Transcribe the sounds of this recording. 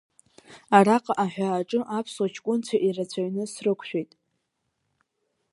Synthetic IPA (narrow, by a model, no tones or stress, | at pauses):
araqʼaʔaħᶣaːʈ͡ʂʼɨʔapʰswat͡ʃʰkʷʼʊnt͡sʰaʔirat͡sʷʰaɥnɨsrɨkʷʰʃᶣejtʼ